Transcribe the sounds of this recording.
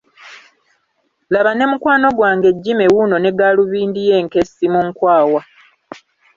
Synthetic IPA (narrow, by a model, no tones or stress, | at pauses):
laβane̞mukwaːno̞ɡwaːŋɡe̞ɟːime̞wuno̞ne̞ɡaluβiːndije̞ːŋke̞simuŋkwaːwa